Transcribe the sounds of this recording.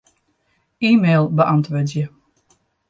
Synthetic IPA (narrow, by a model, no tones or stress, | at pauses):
iːmeːlˠbəʔantʋødjə